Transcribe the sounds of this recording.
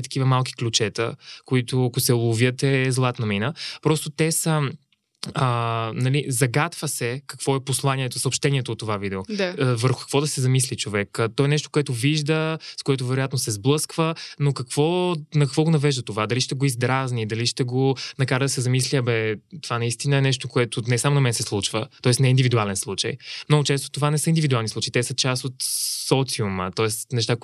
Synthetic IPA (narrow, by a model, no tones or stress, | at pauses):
t̪ɐ̥k̟ivəmalˠki̥klʲut͡ʃɛt̪ə̰koit̪ʊɐkosɛlˠovjət̪ɛzlˠat̪nɐminəpɾɔst̪ot̪ɛsə | ənɐlizɐɡat̪vəsɛkɐkv̥ɔɛposlˠanʲiɛt̪osopʃt̪ɛniɛt̪oːt̪ːovavid̪ɛoavəɾxʊkɐ̥kvɔd̪ɐsɛzɐmislit͡ʃovɛkət̪ɔɛnɛʃt̪okoɛt̪ʊviʒd̪əskoɛt̪ʊvɛɾojat̪nosɛzblˠɤskvənokɐkv̥ɔnɐkɐkvɔɡonɐvɛʒd̪ət̪ovad̪ɐliʃt̪ɛɡoizd̪ɾaznid̪ɐliʃt̪ɛɡonɐkaɾəd̪ɐsɛzɐmisliɐbɛt̪ovanɐist̪inəɛnɛʃt̪okoɛt̪ʊnɛsamonɐmɛnsɛslˠut͡ʃvət̪ɔɛsnɛind̪ivid̪ualɛnslˠut͡ʃə̰jmnɔɡʊt͡ʃɛst̪o̥t̪ovanɛsəind̪ivid̪ualˠnislˠut͡ʃəit̪ɛsət͡ʃast̪ot̪sɔt̪siʊmə̰t̪ɔɛsnɛʃ̬t̪ak